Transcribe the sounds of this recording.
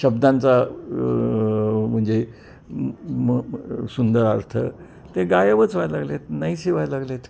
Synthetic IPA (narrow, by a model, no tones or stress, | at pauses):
ɕəbd̪ãnt͡sa | m̤əɳd͡ze | sund̪əɾaɾt̪ʰə | t̪eɡajəʋət͡sʋajlaɡlet̪najsiʋajlaɡlet̪ʰ